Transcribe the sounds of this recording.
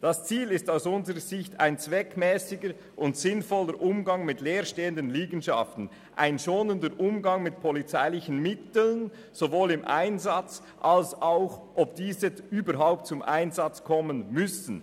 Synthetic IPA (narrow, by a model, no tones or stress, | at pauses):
d̥ast͡siːlɪstaʊsʊnzəʁəzɪçtʰa̰ɪnt͡svɛkmɛːsɪɡə | ʔʊntsɪnfɔləɾʔʊmɡɑŋmɪtleːʁʃteːəndənliːɡn̩ʃɑ̰ftn̩ | ʔa̰ɪnʃoːnəndəɾʔʊmɡɑŋmɪtpʰɔlit͡saɪlɪçən̩mɪtl̩n | z̥ovoːlɪmʔa̰ɪnzat͡s | ʔalsaʊxʔɔp̚d̥iːzəyːbəɾɦaʊp̚tt͡sʊmʔa̰ɪnzɑt͡skʰɔmənmʏsn̩